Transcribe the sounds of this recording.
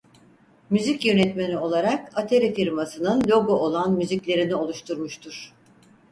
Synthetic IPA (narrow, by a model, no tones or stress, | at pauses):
myzicjø̞nɛt̪menio̞lˠaɾakat̪ʰeɾifiɾmasɯnɯnlʲo̞ɡoʔolˠanmyziclʲe̞ɾinio̞lˠuʃt̪ʰuɾmuʃt̪ʰuɾ̥